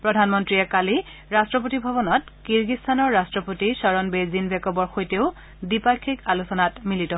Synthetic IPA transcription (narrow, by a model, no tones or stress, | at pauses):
pɹɔdʱanmɔntɹiɛkali | ɹastɹɔp̬otibʱɔbɔnɔtkiɹɡistʰanɔɹːastɹɔpotisɔɹɔnbezinbʱɛkɔbɔɹxojteʊ | dipakʰːikalusɔnatmilitɔ